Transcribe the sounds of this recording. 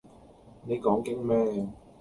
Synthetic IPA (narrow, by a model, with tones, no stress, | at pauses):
ne˨jkɔː˨˥ŋkɪ˥k̚mɛː˥